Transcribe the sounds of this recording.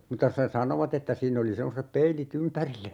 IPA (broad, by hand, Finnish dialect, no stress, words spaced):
mutːɑ se sɑnoʋɑt etːæ siːn oli semːosep peilit ympærilː